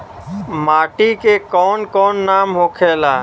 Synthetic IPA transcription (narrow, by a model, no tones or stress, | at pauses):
maːʈikekɔːnkɔːnːaːmɦoːkʰeːlaː